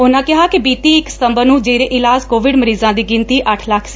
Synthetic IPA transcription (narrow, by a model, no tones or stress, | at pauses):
ʊnãːkɪɦaːkɪbiːt̪iːɪkst̪əmbənũːd͡ʒeːɾeːʔɪlaːzkoːʋɪɖməɾiːzãːd̪iːɡɪnt̪iːʔəʈʰləkʰs